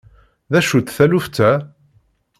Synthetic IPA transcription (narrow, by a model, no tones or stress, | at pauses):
ðæʃut̪θæluft͡s̪ːæ